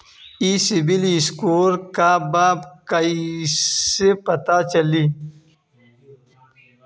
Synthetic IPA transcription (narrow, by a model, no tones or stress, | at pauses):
isibiliskoːɾkaːbaːbkɐi | sepɐt̪at͡ɕɐli